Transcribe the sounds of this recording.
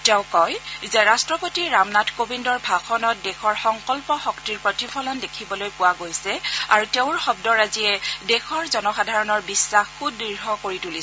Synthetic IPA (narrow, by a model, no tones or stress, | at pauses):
tɛʊ̃kɔjzɛɹastɹɔpotiɹamnatʰkobindɔɹbʱaxɔnɔt̚dɛxɔɹxɔŋkɔlpɔxɔktiɹpɹotipʰɔlɔndekʰibɔlojpʊwaɡojsɛa̰ɹuteʊ̃ɹxɔb̚dɔɹaziɛdɛxʰɔɹzɔnɔxadʱaɹɔnɔɹbisːaxːudːiɹɦɔkoɹituliɛ